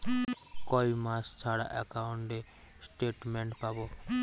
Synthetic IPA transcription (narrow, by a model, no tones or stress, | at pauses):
koːiːmaːst͡sʰaːɽa̰ːʔɛkaːʊɳʈd̪eː | sʈeːʈmẽːɳʈpaːboː